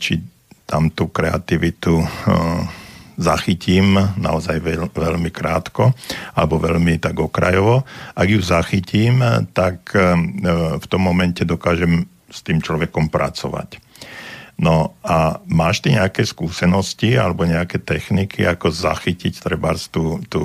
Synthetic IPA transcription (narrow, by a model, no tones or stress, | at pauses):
t͡ʃi | t̪amt̪ukɾɛa̰t̪iʋit̪u | zaxiciːmna̰ɔzajɛʋɛʎmikɾa̰ːt̪kɔalɛbɔʋɛʎmit̪aɡɔkɾa̰jɔʋɔʔaɡjuzaxiciːmt̪ak | ft̪ɔmːɔmɛncɛd̪ɔkaːʒɛm | st̪iːmt͡ʃlɔʋɛkɔmpɾʔa̰t͡sɔʋa̰c | nɔamaːʃt̪iɲɛakɛskuːsɛnɔscia̰lɛbɔɲɛakɛːt̪ɛxnikʰḭakɔza̰xicict̪ɾɛbaɾst̪uːt̪uː